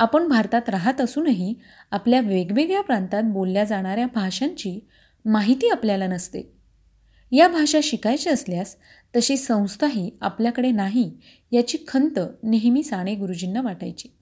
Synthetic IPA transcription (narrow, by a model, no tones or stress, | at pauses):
apəɳbʱaɾt̪at̪ɾaɦat̪əsuːnaɦi | apljaʋeɡʋeɡɭjapɾant̪at̪̚bolːjad͡zaɽ̃aɾjabʱaʂaɲt͡ɕiː | maɦit̪iːapljalanəst̪ḛ | jabʱaʂaɕikajt͡ɕeəsljas | t̪əɕiːsə̃w̃st̪ʰaɦiːapljakəɽenaɦi | jat͡ɕiːkʰənt̪əneɦmiːsaɽ̃eɡuɾud͡ʑinːaʋaʈajt͡ɕi